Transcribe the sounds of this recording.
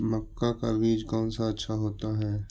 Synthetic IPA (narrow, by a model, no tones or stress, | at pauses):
mɐkːakabiːd͡ʒkɔːnsaɐtːʃʰaɦoːt̪aɦɛː